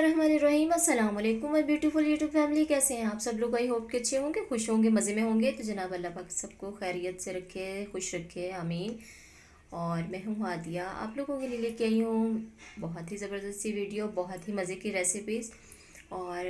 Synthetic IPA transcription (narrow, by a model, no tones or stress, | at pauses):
ɾɐɦmaːniɾɐɦiːmɐsːɐlaːmɐleːkʊ̃mɐbjuːʈuːfʊljuːʈjuːbfɛːmlikɛːseɦɛ̃aːpsɐbloːɡaiɦoːp̚keɐtːʃʰeɦõːɡexʊʃɦõɡemɐzemẽɦõːŋɡet̪od͡ʒɐnaːbɐlːapaːksɐb̚koxɛːɾijət̪seɾɐkʰːexʊʃɾɐkʰːeaːmiːn | ɔːɾmɛ̃ːɦũaːd̪ijaa̰ːploːɡõkelieliekiaːiɦũbɔɦɔt̪ɦizɐbəɾd̪əst̪iʋiːɖijoːbɐɦɔt̪ɦimɐzekiɾɛːsɪpiːz | ɔːɾ